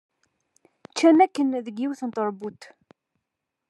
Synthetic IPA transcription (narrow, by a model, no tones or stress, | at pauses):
t͡ʃːæmækːənðəɡːiwθənt̪ˤəɾˤbut̪